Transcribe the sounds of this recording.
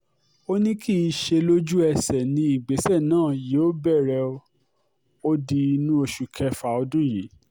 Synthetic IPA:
o˦nĩ˦ki˦i˧ʃe˧lo˦d͡ʒu˦ɛ˧sɛ˨nĩ˧i˨ɡ͡be˨˦sɛ˦˨nãː˦˨je˨˦o˦bɛ˦˨ɾɛ˧ | o˦di˧nũ˦o˧ʃu˨kʰɛ˧fa˧ɔ˧dũ˦je˨˦

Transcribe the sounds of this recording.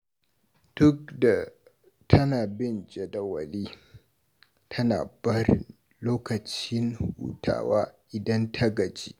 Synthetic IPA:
d̥ʊ˦k̚da˨ | tʰɐ˦naː˨bɪ˦nd͡ʒʼe˨dɐ˨wɐ˨liː˦ | tʰɐ˦na̰ː˨bɐ˦ɾɪ̰˨n | loː˦kɐ˨t͡ʃɪ˦nhṵː˨tʰa̰ː˨waː˦ʔɪ˨dɐ˦ntʰɐ˦ɡɐ˨d͡ʒiː˦

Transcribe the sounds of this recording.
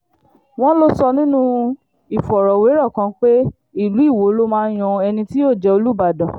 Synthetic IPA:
w̃ɔ̃˦lo˦sɔ˧nĩ˦nũ˦ | i˨fɔ˨ɾɔ˨we˨˦ɾɔ˦˨kã˧˦k͡pe˦ | i˦˨lu˨˦i˦˨wo˨˦lo˦mãː˦j̃ɔ̃˧ɛ˧nĩ˧ti˦o˦˨d͡ʒɛ˧o˧lu˦ba˨dã˨

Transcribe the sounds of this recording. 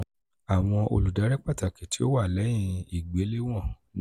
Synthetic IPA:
a˨w̃ɔ̃˧ʔo̰˧lu˨da˨˦ɾɛ˦k͡pa˦˨ta˨ke˨ti˨˦o˦wa˦˨lɛ˨˦j̃ĩ˧i˨ɡ͡be˨˦le˦w̃ɔ̃˦˨

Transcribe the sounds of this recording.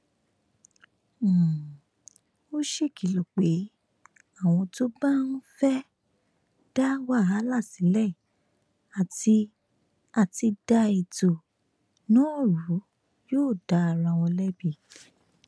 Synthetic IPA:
o˦ʃe˦˨ki˨lo˨k͡pe˨˦ | a˦˨w̃ɔ̃˧to˦ba˦n̩˦fɛ˦ | d̥a˦wa˦˨a˨˦la˦˨sĩ˨˦lɛ˦˨ | a˨ti˧ | a˨ti˧da˧i˨to˨ | nɔ̃˨˦˨ɾu˨˦ | joː˦˨da˧˦a˨ɾã˧˨w̃ɔ̃˧lɛ˦bi˦˨

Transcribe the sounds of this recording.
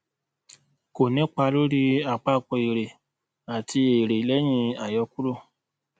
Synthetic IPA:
ko˨nĩ˦k͡pa˧lo˦ɾi˦a˨k͡pa˧˦˨k͡pɔ˧˨e˨ɾe˨ | a˨tʰi˧e˨ɾe˨lɛ˨˦j̃ĩ˧a˨jɔ˧ku˦ɾo˦˨

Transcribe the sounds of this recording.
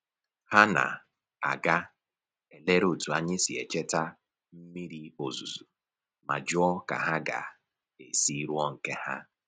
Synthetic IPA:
ha˦na̰˨ | a̰˨ɡa˦ | e˨le˦ɾo˨tu˨a˨ɲɪ˦si˨ḛ˨t͡ʃe˦ta˦ | m̩˦mi˦ɾi˦o˨zu˨zu˨ | ma̰˨d͡ʒʊ˦ɔ˦ka̰˨ɦa˦ɡa̰˨ | e˨si˦ɾwɔ˦ŋ̩˨ke˦ha̰˦

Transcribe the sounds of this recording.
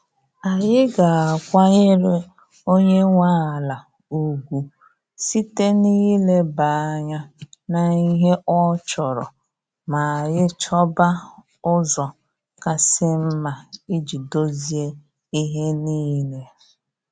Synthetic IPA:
a˨jɪ˦ɡa˨a˨kʷa˦ɲɪ˦ɾɪ˦ | o˦ɲe˦ŋʷa˦a˨la˨ | u˨ɡʷu˨ | si˦te˦niː˦le˦ba˨a˦˨ɲa˦na˨i˦ɦe˦ʔɔ˦t͡ʃɔ˨ɾɔ̰˨ | ma˨a˨jɪ˦t͡ʃɔ˦ba˦ | ʊ˦zɔ˨ | ka˨sɪ˦m̩˦ma˨i˦d͡ʒi˨do˦zi˨e˦ | i˦ɦe˦niː˦le˦

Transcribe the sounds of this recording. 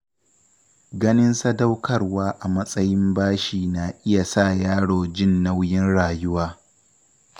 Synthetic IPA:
ɡɐ˦nɪ˦nsa˦da˦wkɐ˦rwaː˦ʔa˨mɐ˦sʼɐ˦jɪ˦mbaː˦ʃiː˨na˨ʔɪ˦ja˨sa˦˨jaː˦ɽoː˨d͡ʒɪ˦nːa˦wjɪ˦nɽaː˨jʊ˦waː˦

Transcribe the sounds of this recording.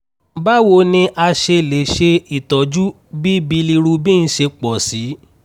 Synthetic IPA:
ba˦wo˨˦nĩ˧ʔa˧ʃe˧˨le˨ʃe˧i˨tɔ˨d͡ʒu˦ | bi˦bi˧li˧ɾu˧bĩ˦n̩˦ʃe˧k͡pɔ˨si˨˦

